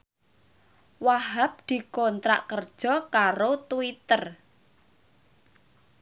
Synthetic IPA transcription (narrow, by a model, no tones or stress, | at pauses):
waɦap̚d̪̥i̤kɔnt̪ɾa̰ʔkərd̥ʒ̥ɔ̤kaɾot̪uwit̪ər